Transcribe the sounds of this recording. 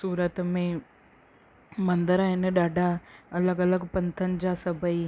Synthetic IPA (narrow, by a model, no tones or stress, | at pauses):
suːɾət̪mẽ | mɐ̃nd̪əɾaɦɪnɗaːɖʱaɐləɡɐləɡpɐ̃nt̪ʰənd͡ʑasɐbəi